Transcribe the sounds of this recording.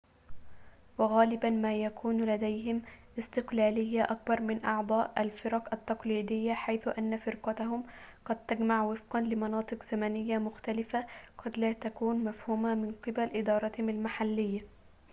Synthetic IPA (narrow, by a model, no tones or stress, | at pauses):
wɑɣaːlɪbanmaːjakuːnlad̪ajɦɪmʔɪst̪ɪqlaːlɪjːaʔak̚bɑɾˤmɪnʔɑʕd̪ˤɑːʔalfɪɾɑqʔat̪ːɑqliːd̪ɪjːaħajθʊʔanːafɪɾqɑt̪aɦʊmqɑd̪̚t̪aɡmaʕwɪfqɑnlɪmɑnɑːt̪ˤɨqz̥amanɪjːamʊxt̪alɪfaqɑd̪laːt̪akuːnmafhuːmamɪnqɨbalʔɪd̪ɑːɾˤɑt̪hɪmalmaħalːɪjːa